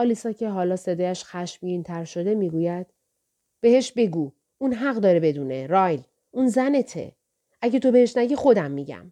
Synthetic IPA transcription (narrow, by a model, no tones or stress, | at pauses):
ɒːliːsɒːcʰe̞ɦɒːlɒːse̞d̪ɒːjæʃxæʃmjiːnt̪ʰæɾʃo̞d̪e̞miːɡuːjæd̪̥̚ | b̥e̞he̞ʃbe̞ɡuː | unɦæɣd̪ɒːɾebe̞d̪uːne̞ɾɒːjl | unzæne̞t̪ʰḛ | ʔæɟet̪ʰo̞be̞heʃnæɟixo̞d̪æmːiɟæ̰m